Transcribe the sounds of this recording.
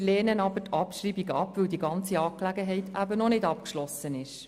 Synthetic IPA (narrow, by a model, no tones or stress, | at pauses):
lɛːnənɑbətɑpʃɾiːbiɡɑpvɵwdiɡɑnt͡siɑːklæɡəɦɛɪtʰæbənɔnɪdɑpkʃlɔsənɪʃ